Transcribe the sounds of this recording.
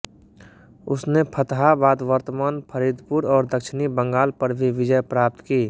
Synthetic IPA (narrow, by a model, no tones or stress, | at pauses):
ʊsnepʰət̪ɦabaːd̪ʋəɾt̪əmaːnpʰəɾid̪ʱpuɾɔːɾd̪əkʃɪnibə̃ŋɡaːlpɐɾbʱiʋɪd͡ʒəjpɾaːp̚t̪kiː